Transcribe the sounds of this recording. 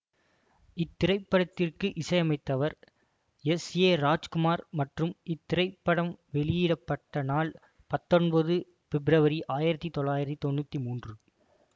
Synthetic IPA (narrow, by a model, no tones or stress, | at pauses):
ɪt̪ːɪɾɐɪpːɐɽɐt̪ːɪrkɯʔɪsɐjɐmɐɪt̪ːɐʋɐɾ | ɛsjeːɾaːd͡ʒkɯmaːɾmɐʈrɯmɪt̪ːɪɾɐɪpːɐɽɐmʋɛɭɪjiːɽɐpːɐʈːɐnaːl | pɐt̪ːɔnbɐðɯ | fɛbɾɐʋɐɾiʔaːjɪɾɐt̪ːit̪ɔɭːaːjɪɾɐt̪ːit̪ɔnːut̪ːimuːndrɯ